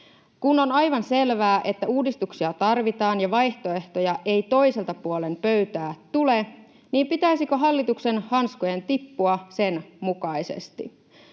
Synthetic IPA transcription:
kuno̞nɑjʋɑnse̞lʋæːʔe̞t̪ːæuːdist̪uksiɑt̪ɑrʋit̪ɑːnjɑʋɑjht̪o̞e̞ht̪o̞jɑʔe̞jt̪o̞jse̞lt̪ɑpuole̞mpø̞ɥt̪æːt̪ule̞ | niːmpit̪æisikø̞ɦɑlːit̪ukse̞nhɑnskoje̞nt̪ipːuɑse̞nmukɑjsḛst̪ḭ

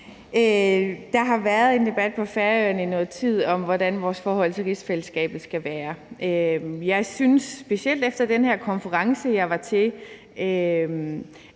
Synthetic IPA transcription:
ød̥ɑ̈ɦɑ̈ʋæːɐð̞ˠe̝nd̥e̝b̥æd̥̚pʰɒ̽fæɐœɐninɔ̽ːð̩ˠt͡sʰið̰ˠɒ̽mʋɒd̥ænʋɒːsfɒːhɒ̽l̰t͡sʰe̝ʁisfeləsɡ̥ɛ̰ːb̥ð̩ˠsɡ̥æʋæːɐʔømjɑ̈ɪsynsːb̥e̝siel̰d̥efd̥ɐd̥enhæɐkʰɒ̽nfəʁɑ̈ŋsəjɑ̈ɪʋɑ̈t͡sʰe̝ | øm

